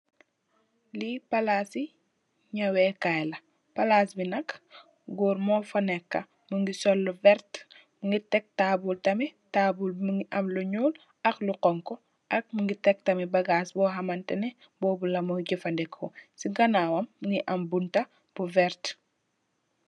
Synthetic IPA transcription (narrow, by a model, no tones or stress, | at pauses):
lipɐlaːsi | ɲɐwɛkajlɐ | pɐlasbinɐk | ɡɔːɾmɔfɐnɛkːɐ | muŋɡisɔlːvɛɾt | muŋɡitɛk̚tabultɐmitaːbulmuŋɡiʔɐmluɲuːl | ɐxluqɔŋkɔ | ʔɐk̚muŋɡitɛk̚tɐmibɐɡaːsbɔːɦɐmɐntɛnɛ | bɔːbulɐmɔɟifɐndɛkʰːɔsiŋɡɐnawɐmːŋɡiʔɐmbuntɐ | b̥uvɛɾt